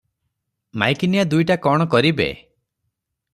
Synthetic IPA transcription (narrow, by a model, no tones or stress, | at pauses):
ma̰jkinijad̪ujʈakɔɽ̃ɔkɔɾibḛ